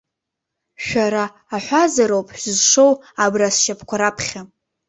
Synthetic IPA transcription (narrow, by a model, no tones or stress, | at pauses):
ʃᶣaɾaː | ħʷazaɾowpʰʼħzʂow | abrasʃapʰkʷʰaɾapʰχʲa